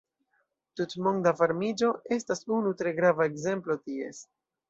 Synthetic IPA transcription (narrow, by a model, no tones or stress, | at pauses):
tutmoŋdavaɾmid͡ʒo̞e̞stasunutɾe̞ɡɾavaeɡze̞mplo̞tie̞̰s